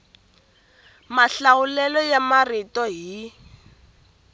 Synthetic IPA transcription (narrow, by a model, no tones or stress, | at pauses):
maɬaulɛlɔjamaritɔɦi